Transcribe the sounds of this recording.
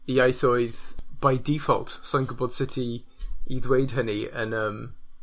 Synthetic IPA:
iajθoːɨðb̥ajdifɔ̰lˠtsɔjnɡʊbɔd̥sɪtʰi | iðwejd̥ɦəniə̰nəːm

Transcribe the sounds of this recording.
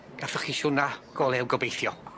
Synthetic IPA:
ɡ̥afəχiʃʊnaɡ̥oːlˠɛwɡɔbejθjɔ

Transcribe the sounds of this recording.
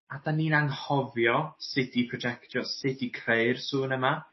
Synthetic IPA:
adanːiːnaŋhɔvjɔsɪdipʰrɔd͡ʒɛktʰjɔsɨdikʰreɨrsuːnəma

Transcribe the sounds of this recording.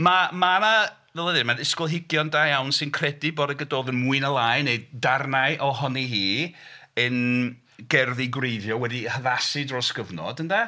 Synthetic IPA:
mamana | vɛlˠəðɪnmadɪskʊlˠɦɪɡjɔndajawnsɨnkʰrɛdiboːdəɡədoːðənmuɨnəlˠajneddarnaɨʔɔɦɔniɦiː | ən | ɡ̥ɛrðiɡwrejðjɔwɛdihəðasidrosɡ̥əvnɔ̰d̥ənda

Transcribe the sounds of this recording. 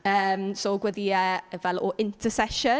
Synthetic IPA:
əmsoɡwəðiəəvɛlɔʔɪ̃ntʰəsɛʃə

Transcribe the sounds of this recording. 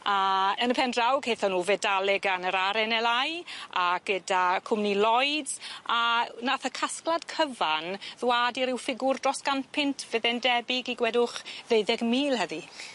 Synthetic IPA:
aənəpʰɛndrawkʰejθɔnuːvɛdalˠɛɡanəɾaɾɛnɛlˠajaɡ̥ədakʰʊmnilˠɔjdanaθəkʰasklˠad̥kʰəvanðwaːdiɾɪwfɪɡʊrdrɔsɡ̥anpʰɪntʰvəðɛndɛbɪɡiɡwɛdʊχðeɨðɛɡmiːlˠɦəði

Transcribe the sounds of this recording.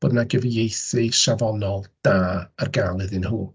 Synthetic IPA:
b̥oːdnaɡəvijejθɨʃavɔnɔlˠd̥aːarɡaːlˠɪðɨnhuː

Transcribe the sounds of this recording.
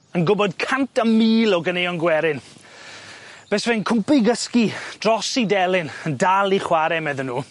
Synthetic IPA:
ənɡʊbɔd̚kʰantʰamiːlɔɡənejɔnɡwɛɾɪn | b̥ɛːsvɛnkʰʊmpɨɡəskid̥rɔsidɛlˠɪnəndalˠiχwaɾɛmɛðənːuː

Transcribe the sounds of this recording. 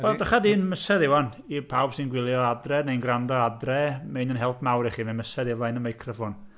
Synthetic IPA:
wɛlˠdaχadiːnməsɛðɪwan | ipʰawb̥sɪnɡwɪlˠjɔadrɛnejnɡrandɔadrɛmenənɦɛlˠpʰmawɾiχimɛnməsɛðɪvajnəmajkʰrɔfɔn

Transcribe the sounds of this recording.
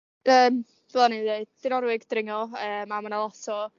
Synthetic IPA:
əːm̥ | ɛlˠanided̥ɪnɔɾwɪɡdrɪŋɔəːmamanalˠɔsɔ

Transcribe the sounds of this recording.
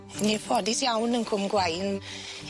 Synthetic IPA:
nepʰɔdisjawnənkʰʊmɡwajn

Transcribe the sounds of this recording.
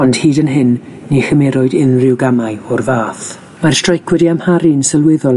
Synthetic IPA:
ɔnd̥hiːdənɦɪnː | ixəmɛɾɔɨdɪnrɪwɡamaɨɔrvaːθ | mar̥strajkʰwɛdiamhaɾinsəlˠwɪðɔl

